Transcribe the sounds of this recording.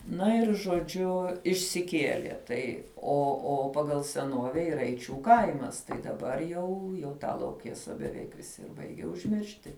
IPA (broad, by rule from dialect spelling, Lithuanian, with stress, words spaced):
ˈnɐ ɪr ʒoːˈd͡ʒʲʊ ɪʃʲsʲɪˈkʲiɛlʲiɛ ˈtɐɪ oː oː ˈpɑːɡɐlˠ sʲɛˈnuɔʋʲɛ iːˈrɐ ɛɪˈt͡ʃʲuː ˈkɐɪmɐs tɐɪ dɐˈbɐr jɛʊ jɛʊ ˈtɑː lˠɐʊˈkʲeːsɐ bʲɛˈʋʲɛɪk ʋʲɪˈsʲɪ ɪr ˈbɐɪɡʲɛ ʊʒʲˈmʲɪrʲʃʲtʲɪ